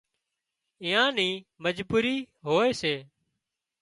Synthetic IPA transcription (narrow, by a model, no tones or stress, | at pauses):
ɪ̃ːãːnĩːməd͡ʒbuːɾiː | ɦoːeːseː